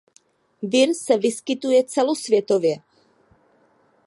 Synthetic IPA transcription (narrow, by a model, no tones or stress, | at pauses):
vɪɾsɛvɪskɪt̪ujɛt͡sɛlosvjɛt̪ovjɛ